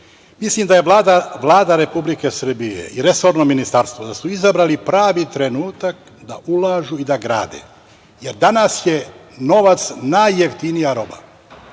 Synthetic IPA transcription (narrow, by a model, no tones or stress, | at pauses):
mislimd̪aje̞aːd̪aʋlˠaːd̪aɾe̞publike̞sr̩bijḛiɾe̞so̞ːɾnominist̪aɾst̪ʋod̪asuizabɾalipɾaːʋit̪ɾe̞nuːt̪ak | d̪aʔulaːʒuid̪aɡɾa̰ːd̪ḛ | je̞ɾd̪anasje̞no̞ʋat̪snajːeft̪inijaɾo̞ba̰